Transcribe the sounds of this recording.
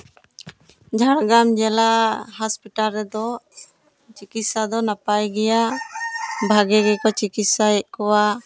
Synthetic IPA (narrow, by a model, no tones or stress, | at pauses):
d͡ʒʱaɽɡamd͡ʒɛlahaspiʈalɾɛd̪ɔ | t͡ʃikit̪sad̪ɔnapajɡɛja | bʱaɡɛɡɛkɔt͡ʃikit̪saɛʔ̚kɔwa